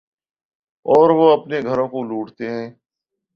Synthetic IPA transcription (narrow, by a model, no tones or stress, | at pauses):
ɔːɾʋoɐpneɡʱəɾõkoluːʈt̪eɦɛ̃ː